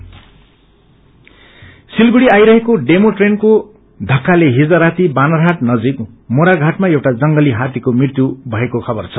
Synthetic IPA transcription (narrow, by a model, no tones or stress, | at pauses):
silɡuɽiajɾʌɦekoɖemoʈrenko | d̪ʱʌkːaleɦid͡zʌɾat̪ibanʌɾɦaʈnʌd͡zik | moɾaɡʱaʈmaewʈad͡zʌŋɡʌliɦat̪ikomrirt̪jubʱʌekokʰʌbʌrt͡sʰʌ